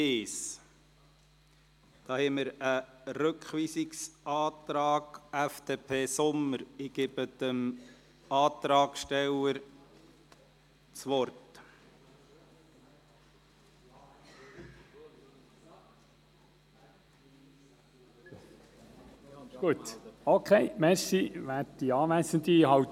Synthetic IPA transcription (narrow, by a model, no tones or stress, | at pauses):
eːs | d̥̪ɑːhɛməɾəɾɵkχʋiːsiksʔɑːt̪ɾɑːɡ̥æfd̪̥epʰeːsʊmːəɾɪɡ̥ɪbəd̪̥əm | ɑːt̪ɾɑːɡʃtɛwəɾ | t͡sʋɔɾt | ɡ̥uət̪okʰeɪmɛɾsiʋæːtd̥iɑːʋæsənd̪iɦɑw